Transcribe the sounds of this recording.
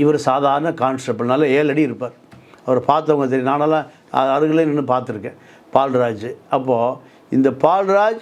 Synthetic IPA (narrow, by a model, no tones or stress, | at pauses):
ɪʋɐɾɯsaːðaːɾɐnɐkaːnsʈɐp̚ːɐlnɐːlɐeːlɐɽiɪɾɯpːaːɾ | ɐʋɐɾɯpaːɾt̪̬ːɐɐŋɡɐt̪̬ɛɾinaːnaːlãː | ɐ̰ɐɾɯɣɐlenɯnːɯpaːɾt̪ɪɾɯkːɛ̃ː | paːlɾaːd͡ʒɯɐpːoː | ɪnd̪ɐpaːlɾaːd͡ʒ